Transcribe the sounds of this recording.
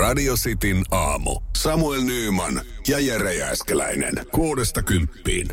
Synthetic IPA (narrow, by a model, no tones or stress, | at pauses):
rɑdiosit̪inɑːmṵsɑmuelnyːmɑnjɑjereæ̰skelæ̰inḛnkoːdest̪ɑkympːḭːn